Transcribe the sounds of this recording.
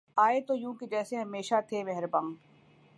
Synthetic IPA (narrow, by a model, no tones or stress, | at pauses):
aːet̪ojũːked͡ʒɛːseɦɐmeːʃat̪ʰeʋɛɦɾbɐ̃ŋɡ